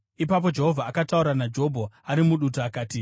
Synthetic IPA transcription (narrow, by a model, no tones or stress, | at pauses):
ipap̬o̞d͡ʒe̞ɦo̞vʱaːkatauɾanad͡ʒo̞bʱoaɾimuɗutoakaːti